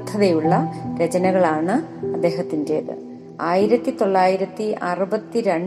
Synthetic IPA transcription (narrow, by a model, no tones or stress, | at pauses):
t̪ʰːɐðejuɭːɐɾet͡ɕɐnɐɣɐɭaːɳɨɐd̪ːe̞ːɦɐt̪ːindeːðɨ̰ | aːjiɾɐt̪ːit̪o̞ɭːaːjiɾɐt̪ːiʔɐrubɐt̪ːiɾeɳ